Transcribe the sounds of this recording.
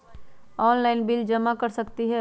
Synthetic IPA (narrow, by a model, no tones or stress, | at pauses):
ɔːnlaɪnbild͡ʒɐmakəɾsəkt̪iɦɛ